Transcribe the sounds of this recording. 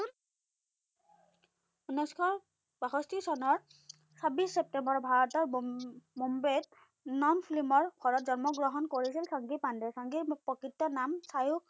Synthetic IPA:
unɔjskʰɔɹ | b̥axɔstisɔnɔɹ | sabisːep̚tembɔɹbʱaɹɔtɔɹmumbet | nɔnpʰlimɔɹkʰɔɹɔtzɔnmɔɡɹɔɦɔnkoɹisilsaŋɡipandɛsaŋɡipɹɔkɹitːɔnamsajuk̚

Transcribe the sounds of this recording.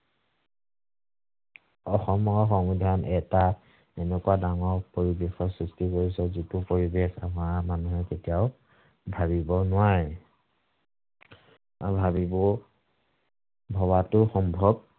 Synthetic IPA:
ɔxɔmɔɔxɔŋbidʱanʔɛta | ɛnɛkuadaŋɔɹpoɹibexɔsɹistikoɹisɛzitupoɹibexa̰mamanuɦɛketijaʊ | bʱaβibɔnʊwaɹɛ | bʱabibɔ | bʱɔwatʊxɔmbʱɔb̚

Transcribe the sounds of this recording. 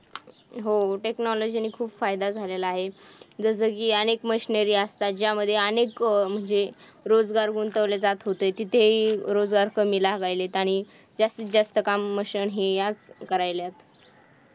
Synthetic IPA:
ɦoʈeknɔlod͡ʑiniːkʰuːbfajd̪ad͡zʱalelaːɦed͡zəs̬əkiːənekməɕinəɾiːəst̪at̪̚d͡ʑjaməd̪ʱːjeənekm̤əɳd͡ze | ɾod͡zɡaɾɡunt̪əʋled͡zat̪ɦot̪əjt̪it̪ʰeɦiɾod͡zɡaɾkʰəmilaɦɡajlet̪aɽ̃i | d͡zast̪it͡sd͡zast̪əkamːəɕənɦijad͡zkəɾajljat̪

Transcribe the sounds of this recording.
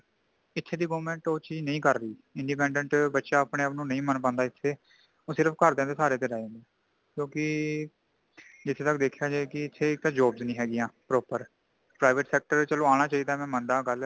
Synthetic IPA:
ɪt̪ʰːeːd̪iːɡoːmɛ̃ːɳʈoːt͡ʃiːd͡ʒnəĩːkəɾːəiːɪɳɖiːp̬ɛ̃ːɳɖə̃ɳʈbətːʃaːpneːaːpnũːnəĩːmənpãːnd̪aːɪt̪ʰːeː | oːsɪɾəpʰkəɾd̪ẽːnd̪eːsaːɾeːt̪̬eːɾãːnd̪eː | kjõːkɪ | d͡ʒɪt̪ʰːeːt̪əkd̪eːkʰjaːd͡ʒeːkɪɪt̪ʰːeːɪkt̪ãːd͡ʒoːbznĩːɦɛːɡɪjãːpɾoːpəɾ | pɾaːɪʋəʈsɛːk̚ʈəɾt͡ʃəloːaːɽ̃aːt͡ʃaːiːd̪aːmɛ̃ːmənd̪aːɡəl

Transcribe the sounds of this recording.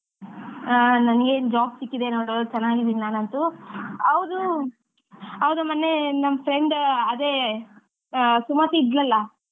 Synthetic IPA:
nɐnɐɡe̞ːnd͡ʒaːbsikːid̪enoːɽot͡ʃɐnːaːɡid̪iːninaːnɐnt̪uɐwd̪u | ɐʋd̪umɐnːe̞nɐmːɐpʰɾeɳɖɐd̪eː | sumɐt̪iːd̪lɐlːɐ

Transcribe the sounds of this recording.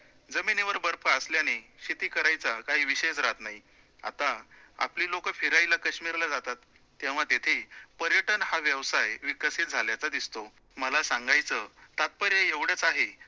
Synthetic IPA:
d͡zəmineʋəɾbəɾpaəsljañiɕit̪iːkəɾajt͡sakaɦiːʋiɕejd͡zɾat̪nai | a̰t̪aa̰pliːlokəfiɾajlakəɕmiɾlad͡zat̪at̪ː | jeʋ̤at̪et̪ʰepəɾjəʈənhaʋjəʋsajʋikəsit̪̚d͡zʱaljat͡sad̪ist̪o | məlasaŋɡajt͡sət̪at̪̚pəɾjejeʋɽ̤ət͡saɦe

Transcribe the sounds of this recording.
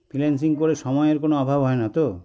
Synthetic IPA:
pʰilens̬iŋkoɾeʃɔmɔeeɾkonoɔbʱabʱɦɔenat̪o

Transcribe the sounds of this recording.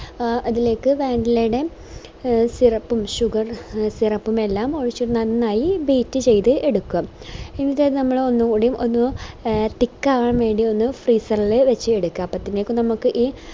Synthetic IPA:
ɐðile̞ːkːɨʋeːɳɖilejuɽe̞ | sirɐpːumɕuɡɐrsirɐpːume̞lːaːmo̞ɻit͡ɕːuʈunɐnnaːjibiːtːɨt͡ɕe̞jt̪ɨe̞ɽukːuaminːiðenɐmːɐɭo̞nːukuɽɐjumʔo̞nːɨt̪ikːaːɣɐɳɐmʋe̞ːɳɖio̞nːɨfriːsɐrilɨʋet͡ɕːɨeɽukːaːpɐt̪ːineːkːɨnɐmukːɨʔiː

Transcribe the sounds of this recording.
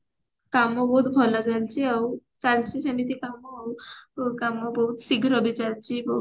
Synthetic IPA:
kamɔbɔɦut̪bʱɔlat͡salt͡ɕiawt͡salt͡ʃisəmit̪ikamɔawkamɔbɔɦut̪siɡʱɾɔbʱit͡salt͡ɕibɔ

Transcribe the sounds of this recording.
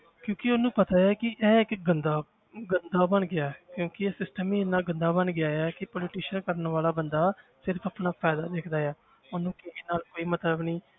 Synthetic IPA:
kjõːkɪʊnũːpət̪aːjaːkɪʔɛːɪkɡənd̪aː | ɡənd̪aːbəɳɡɪaːɛkjõːkɪɛːsɪsʈəmiːɪnaːɡənd̪aːbənɡɪaːɛːkɪpɔːlɪʈiːʃənkəɾənʋaːlaːbənd̪aːsɪɾpʰaːpnaːpʰɛːd̪aːd̪eːkʰd̪aːɛː | ʊnũːkɪiːnaːlkoːiːmət̪ləbniː

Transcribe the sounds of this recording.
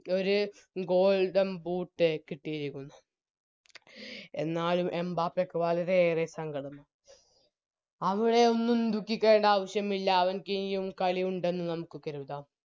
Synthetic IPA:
o̞ɾu | ɡo̞ːɭɖɐmbuːʈːɨkiʈːijɐɾikʲːunːɐ | e̞̰nːaːɭumʔe̞mbaːpːekːɨʋɐlɐɾeːresɐŋɡɐɽɐnːu | ɐʋiɽe̞o̞nːumd̪ukːikʲːeːɳɖaːʋɐɕjɐmilːɐːʋɐnkinjumkɐɭijuɳɖe̞nːɨnɐmukːɨkːɐɾuʋd̪aːm

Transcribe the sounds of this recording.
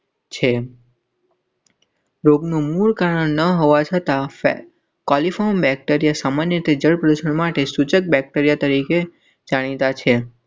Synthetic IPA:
t͡ʃʰe | ɾoɡnũmuɭkaɾəɳnəɦoʋat͡ʃʰət̪a | kɔlifʰɔmbɛk̚ʈeɾijasamanjəɾit̪ed͡ʒəɭpɾəd̪uʃəɳmaʈesut͡ʃək̚bɛk̚ʈeɾijat̪əɾike | d͡ʒaɽ̃it̪at͡ʃʰe

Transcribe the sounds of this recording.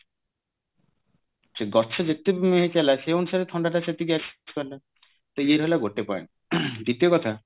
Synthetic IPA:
seɡɔt͡ʃʰed͡ʒet̪ebmeɦet͡ʃalaseonusaɾet̪ʰɔɳɖaʈaset̪iɡɛskɔɾle | t̪eieɾɦojlaɡoʈepa̰ḛn | d̪it̪iokɔt̪ʰa

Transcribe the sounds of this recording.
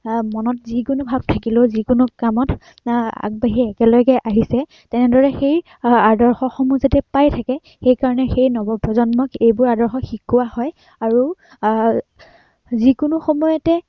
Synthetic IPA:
mɔnɔt̚zikʊnʊbʱab̚tʰakilʊzikʊnʊkamɔt | a̰ɡ̚baɦiɛkɛlɔjɡɛʔaɦisɛ | tɛnɛdɔɹɛxej | adɔɹxɔxɔmuzatɛpajtʰakɛ | xejkaɹɔnɛxejnɔbɔpɹɔzɔnmɔkejbʊɹadɔɹxɔxikʊwahɔj | aɹu | zikʊnʊxɔmɔjɔtɛ

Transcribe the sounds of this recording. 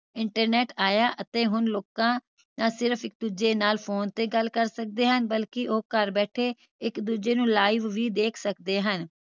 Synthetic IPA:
ɪɳʈəɾnɛːʈaːjaːʔət̪eːɦʊnloːkãː | naːsɪɾəfɪk̚d̪uːd͡ʒeːnaːlpʰoːnt̪eːɡəlkəɾsək̚d̪eːɦənbəlkɪʔoːkəɾbɛːʈʰeː | ɪkd̪uːd͡ʒeːnũːlaːɪʋʋiːd̪eːkʰsəkd̪eːɦən

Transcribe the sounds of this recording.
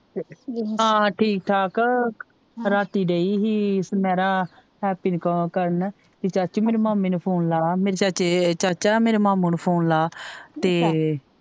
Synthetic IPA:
ɦãːʈʰiːk̚ʈʰaːk | ɾaːt̪iːɖeːiːɦiːsmɛːɾaː | ɦɛːpiːnkəkəɾən | t̪eːt͡ʃaːt͡ʃumeːɾemaːmeːnupʰoːnlaːmeːɾet͡ʃaːt͡ʃet͡ʃaːt͡ʃaːmeːɾemaːmuːnpʰoːnlaːt̪eː

